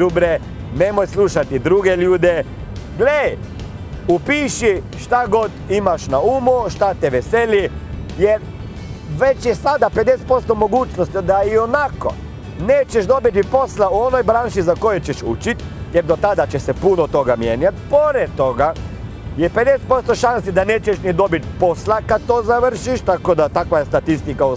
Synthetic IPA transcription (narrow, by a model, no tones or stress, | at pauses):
ubɾe | nemojsluʃat̪id̪ɾuɡeʎuːd̪e | ɡlej | upiːʃiʃt̪aɡot̪imaʃnaumuʃt̪at̪ɛʋeseli | jeɾ | ʋet͡ʃjesad̪aped̪ese̥t̪po̞st̪omoɡuːt͡ʃnost̪d̪aionako̰ | neːt͡ʃeʃd̪obit̪ipo̞slauonojbɾaːnʃizakojet͡ʃeʃṵt͡ʃit̪ | jɛɾd̪ot̪ad̪at͡ʃesepunot̪oɡamjeːɲat̪̚poɾed̪̚t̪ːoɡa | jeped̪ese̥t̪po̞st̪oʃansid̪aneːt͡ʃeʃnid̪obit̪̚poslakad̪̚t̪oːzaʋr̩ʃiʃt̪akod̪at̪akʋajest̪at̪ist̪ikau